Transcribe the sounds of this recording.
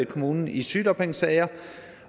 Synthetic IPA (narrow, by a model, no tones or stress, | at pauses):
kʰo̝muːnn̩isyːd̥ɒb̥ʰeŋsɛɪɐ